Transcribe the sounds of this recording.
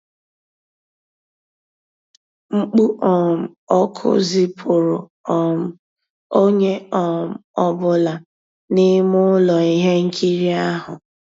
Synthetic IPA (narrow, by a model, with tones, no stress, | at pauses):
ŋ͡m̩˦k͡pu˦ʔɔ˨m̩˨ɔ˦kʰʊ̰˦zi˦pʰʊ˨ɾʊ˨ | ɔ˨m̩˦˨ | o˦ɲe˦ɔ˨m̩˨ɔ˦bʊ˦la˨ | ni˦mʊ˦lɔ˨i˦ɦe˦ŋ̩˦kʰi˦ɾi˦a˦ɦʊ˨